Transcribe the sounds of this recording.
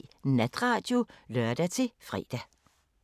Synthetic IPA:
næd̥ʁɑ̰̈ːd̥jo̝lœɐd̥æt͡sʰe̝fʁɛ̰ːd̥æ

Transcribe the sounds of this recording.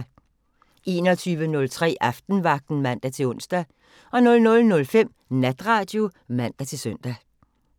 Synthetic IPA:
e̝ːnɒt͡sʰyːʋənɔ̽lt͡sʰʁɛ̰ːʔɑfd̥n̩ʋɑ̈ɡ̥̚d̥n̩mæn̰d̥æt͡sʰe̝ɔ̽n̰sd̥æ | ɒ̽nɔ̽lnɔ̽lnɔ̽lfem̰ | næd̥ʁɑ̈ːd̥jo̝mæn̰d̥æt͡sʰe̝lsœn̰d̥æ

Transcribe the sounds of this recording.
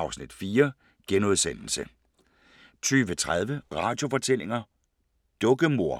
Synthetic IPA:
ɑʊsnid̥fiːɐ | ɡ̥enoð̞ˠsen̰l̩sə | t͡sʰyːʋət͡sʰʁað̞ˠʋəʁɑ̰̈d̥jo̝fɒ̽t͡sʰel̰e̝ŋɐ | d̥ɔ̽ɡ̥əmo̝ɐ̰

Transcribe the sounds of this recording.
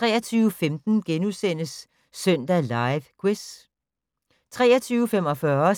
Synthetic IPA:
t͡sʁɛ̰ːɐt͡sʰyːʊəfemd̥n̩ɡ̥enusen̰əsː | œn̰d̥ælɑ̈ɪʋkʰwes | t͡sʰʁɛ̰ːɐt͡sʰyːʊəfem̰ɒ̽fɶɐ

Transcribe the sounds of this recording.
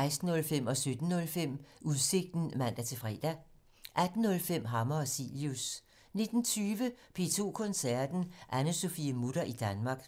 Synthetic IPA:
ɪsd̥n̩ːɔ̽lfem̰ɒ̽sød̥n̩ːɔ̽lfem̰uðˠse̝ɡ̥̚d̥n̩mæn̰d̥æt͡sʰe̝fʁɛ̰ːd̥æ | ʔæd̥n̩ːɔ̽lfem̰ɦɑ̈mɐɒsḭljus | ne̝d̥n̩t͡sʰyːʋəpʰe̝ːt͡sʰo̝̰ːkʰɔ̽nsæɐd̥n̩ʔænəso̝fiəmud̥ɐʔid̥ænmɑ̈ːɡ̥

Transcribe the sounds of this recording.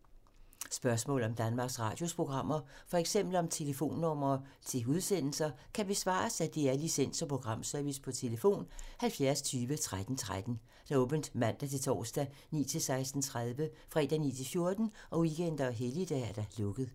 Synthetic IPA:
sb̥ɶɐsmɔ̰ːlɒ̽md̥ænmɑ̈ːɡ̥sʁɑ̈ːd̥jo̝spʰʁo̝ɡ̥ʁɑ̈m̰ɐfɒ̽eɡ̥sem̰b̥l̩ɒ̽mt͡sʰe̝ləfo̝̰ːnːɔ̽m̰ɐːt͡sʰe̝uðˠsen̰l̩sɐ | kʰæb̥e̝sʋɑ̰̈ːsæd̥e̝æɐlisen̰sɒ̽pʰʁo̝ɡ̥ʁɑ̈m̰sæɐʋispʰɒ̽t͡sʰe̝ləfo̝̰ːnhælfjæɐst͡sʰyːʋət͡sʰʁad̥n̩t͡sʰʁad̥n̩ | d̥æɔːb̥n̩d̥mæn̰d̥æt͡sʰe̝t͡sʰɒ̰ːsd̥æ | nḭːt͡sʰe̝lsɑ̈ɪsd̥n̩t͡sʰʁaðˠʋəfʁɛ̰ːd̥ænḭːt͡sʰe̝lfjo̝ɐd̥n̩ɒ̽wiɡ̥en̰d̥ɐɦelid̥ææɐd̥ælɔ̽ɡ̥ð̩ˠ

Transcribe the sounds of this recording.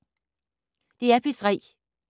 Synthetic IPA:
d̥e̝æɐpʰesʰʁɛ̰ː

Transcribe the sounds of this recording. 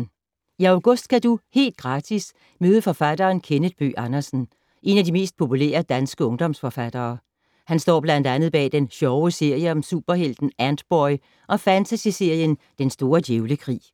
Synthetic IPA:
iɑʊɡ̥ɔ̽sd̥̚kʰæd̥uhe̝̰ːld̥̚ɡ̥ʁɑ̈ːd̥ʰis | møːð̞ˠəfɒ̽fæd̥ɐːnkʰenəd̥̚b̥y̰ːʔɑnɐsn̩ | ʔe̝næd̥ime̝̰ːsd̥̚pʰo̝pʰulḛːɐd̥ænsɡ̥əɔ̽ŋd̥ɒ̽msfɒ̽fæd̥ɐː | hænsd̥ɒ̰ːb̥lænd̥ænð̩ˠb̥ɛ̰ːd̥enɕɒʊəse̝ɐ̰jəɒ̽msuːb̥ɐhel̰d̥n̩ænd̥b̥ɒɪ | ʔɒ̽fænt͡sʰæsise̝ɐ̰jən | d̥ensd̥o̝ːɐd̥jeʊləkʰʁḭː

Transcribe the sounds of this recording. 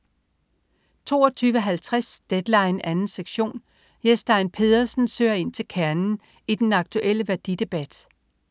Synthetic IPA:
t͡sʰo̝̰ːɐt͡sʰyːʋəɦælt͡sʰʁasd̥ed̥lɑ̈ɪnænn̩seɡ̥ɕo̝̰ːn | jesd̥ɑ̈ɪnpʰe̝ðˠɐsn̩sø̰ːɐe̝n̰t͡sʰe̝lkʰæɐnn̩ | id̥enɑ̈ɡ̥̚t͡sʰuʔel̰əʋæɐd̥id̥e̝b̥æd̥

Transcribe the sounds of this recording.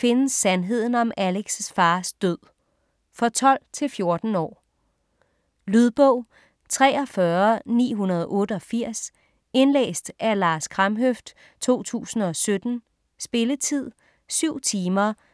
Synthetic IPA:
fe̝nəsːænɦe̝ð̞̰ˠn̩ɒ̽mæleɡ̥səsfɑ̈ːsd̥øð̰ˠ | fɒ̽t͡sʰɒ̽l̰t͡sʰe̝lfjo̝ɐd̥n̩ɒ̰ː | lyð̞ˠb̥ɔ̽ʊ̰ | t͡sʰʁɛːɒ̽fɶɐnḭːɦunɐð̞ˠʔɔ̽ːɾəɒ̽fiɐ̰s | e̝nlḛːsd̥ʔæɐlɑ̈ːskʰʁɑ̈mɦøfd̥ | t͡sʰo̝̰ːt͡sʰṵːsn̩ɒ̽sød̥n̩ | sb̥e̝lət͡sʰið̞̰ˠ | syʊ̰t͡sʰiːmɐ

